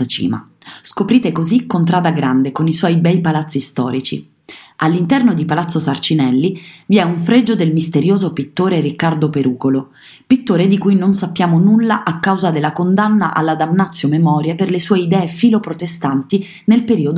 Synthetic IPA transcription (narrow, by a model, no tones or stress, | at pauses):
at͡ʃḭːma̰ | skopɾiːt̪ekozikːont̪̬ɾaːd̪aɡɾand̪ekoniswɔjbɛjpalat̪sːist̪ɔ̰ːɾit͡ʃḭ | alːint̪ɛrnod̪ipalat̪sːosart͡ʃinɛlːiviɛuɱfɾed͡ʒod̪elmist̪eɾjoːzopit̪ːoːɾeɾikːard̪opeɾuːkolo | pit̪ːoːɾed̪ikujnonsapːjaːmonulːaʔakːawzad̪elːakond̪anːaʔa̰lːad̪amnat̪sːjomemɔːɾjeperlesuːeid̪ɛːefiːlopɾot̪est̪ant̪i | nelpeɾiːod̪